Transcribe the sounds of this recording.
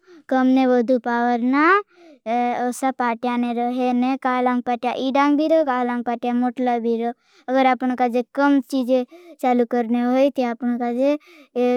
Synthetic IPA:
kəmneʋəd̪ʱupaːʋəɾna | osapaːʈjaneɾəɦenekaːlãŋɡ̚paːʈjaʔiɖãːŋbʱiɾokaːlãŋɡ̚paːʈjamoːʈlabʱiɾo | əɡəɾaːpñkad͡ʒekəmt͡ʃiːd͡ʒet͡ʃaːlukəɾneɦoit̪eaːpñkad͡ʒe

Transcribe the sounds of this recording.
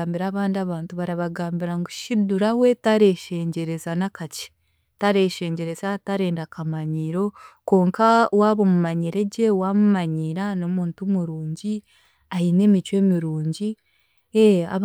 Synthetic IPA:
mbiɾaːβaːndiaβaːntuβaɾaβaɡaːmbiɾaŋɡuʃiduɾawe̞taɾe̞ʃe̞ːɲɟe̞ɾe̞zanakace̥ | taɾe̞ʃe̞ːɲɟe̞ɾe̞zataɾe̞ːndakamaɲiɾo̞ko̞ːŋkawaːβomumaɲiɾe̞ɟe̞waːmumaɲiɾano̞muːntumuɾuːɲɟi | aine̞ːmit͡ʃwe̞ːmiɾuːɲɟi | ea̰

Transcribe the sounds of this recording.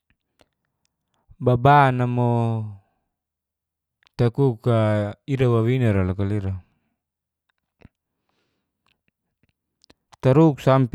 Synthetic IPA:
babanamɔ | t̪akukaiɾawawinaɾalakaliɾa | t̪aɾuk̚samp

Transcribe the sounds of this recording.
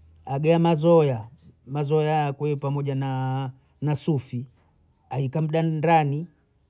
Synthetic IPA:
aɡɛamazɔjamazɔjakwɛpamɔʄana | nasufi | aikam̩ɗandani

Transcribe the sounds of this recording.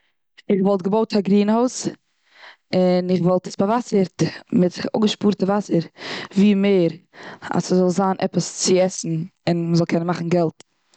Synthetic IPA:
ɪχvɔlˠt̚ɡəboʊtʰaɡɾiːnhoʊs | ɪnɪχvɔlˠtəsbavasəɾtmɪto̰ɡəʃpuːɾtəvasəɾviːmeːɾa̰səzɔlˠzaːnʔɛ̰pəst͡sɪɛsn̩ɪnməzɔlˠkʰɛnənmaχn̩ɡɛlˠt

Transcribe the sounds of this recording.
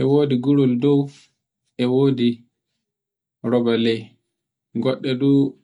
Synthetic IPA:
ʔɛwoːdiɡuɾɔldɔw | ʔɛwoːdi | ɾɔbalɛj | ɡɔɗːɛdu

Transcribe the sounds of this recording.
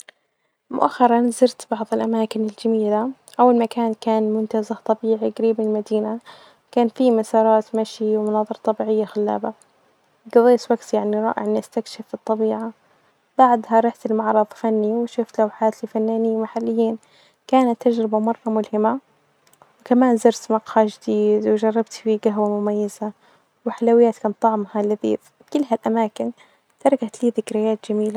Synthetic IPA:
mʊ̰ʔaxːɑɾˤɑnzɪɾt̪bɑʕðˤɪlʔamaːkɪnɪld͡ʒamiːlaʔawːalmakaːnkaːnmʊnt̪azaht̪ˤɑbiːʕiɡaɾiːbmɪnɪlmad̪iːna | kaːnfimasɑːɾˤɑːt̪maʃiwmʊnɑːðˤɨɾˤɑt̪ˤːɑbiːʕɪjːaxalːa̰ːba | ɡɑðˤeːswaɡt̪jaʕniɾˤɑ̰ːʔɪ̰ʕnʔast̪akʃɪfbɨt̪ˤːɑbiːʕa | baʕd̪ɦaɾˤɑːħt̪ɪlmɑʕɾˤɑðˤfanːiwɪʃʊːft̪lawħaːt̪lifanːaːnɪjːmaħalːɪjːiːn | kaːnat̪ːad͡ʒɾɪbamɑrˤːɑmʊlhɪma | wɪkamaːnzɪɾsmɑqhaʒɪd̪iːd̪wɪd͡ʒɑrˤːɑbt̪fiɡaɦwamʊmajːaza | wɪħalawɪjːaːt̪kaːnt̪ˤːɑʕmhalːaðḭf | kɪlːɦalʔamaːkɪn | t̪ɑɾˤɑkat̪liːðɪkɾɪjaːt̪d͡ʒamiːla

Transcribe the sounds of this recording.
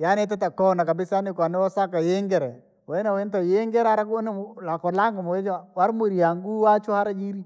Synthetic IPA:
janetɛtakɔnakabɪsanɪkwanɛwɔsakajeŋɡɛɾɛ | wɛnawentajeŋɡɛɾaɾaknlakɔlaŋɡamoet͡ʃwaɾmuɾiaŋɡuat͡ʃʊhaɾad͡ʒiɾi

